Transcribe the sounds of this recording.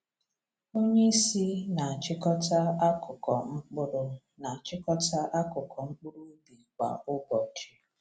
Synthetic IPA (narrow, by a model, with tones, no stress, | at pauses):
o˦ɲe˦i˦si˦na˨a˨t͡ʃɪ˦kɔ˦ta˦a˦kʰʊ˨kɔ˨ŋ͡m̩˦k͡pʊ˦ɾʊ˦ | na˨a˨t͡ʃɪ˦kɔ˦ta˦ʔa˦kʊ˨kʰɔ˨ŋ͡m̩˦k͡pʊ˦ɾu˦di˨k͡pa̰˨ʊ˦bɔ˨t͡ʃi˦